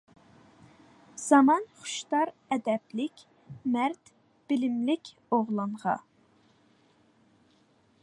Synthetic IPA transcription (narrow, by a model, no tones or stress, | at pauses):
z̥ɑmɑnχu̥ʃt̪ɑɾɛd̪ɛblɪkʲ | mæɾt̪ | b̥ɪlɪmlɪkʲ | oʁlˠɑnʁɑ̰